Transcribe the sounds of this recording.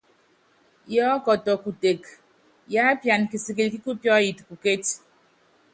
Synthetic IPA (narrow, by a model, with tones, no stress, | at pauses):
jɔː˦kɔ˨tɔ˨ku˨te˨k | ja˦pja˨nki˨si˨ki˨lki˦ku˦pjɔ˦ji˨tku˨ke˦t